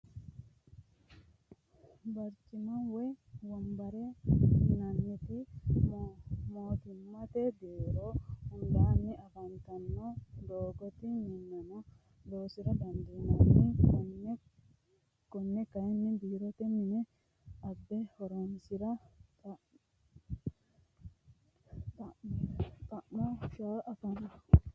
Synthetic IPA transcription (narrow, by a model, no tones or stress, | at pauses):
bɐɾt͡ʃɪmɐnwɛwɐmbɐɾɛnɐnːɪt̪ɪ | moːt̪ɪmːɐt̪ed̪eːɾoːhʊnd̪aːnːɪɐbɐnt̪ɐnːod̪oːɡɔt̪ɪɲɛnːɛmɔ | d̪o̞ːsɪɾɐd̪ɐnd̪iːnɐnɪ | kɔnːɛkɐjnːɪb̪iːɾɔt̪ɛmɪnɛ | ɐbːɛhɔɾonsɪɾɐ | t̪ʼɐʔmɔʃaʔɐfɐnɐ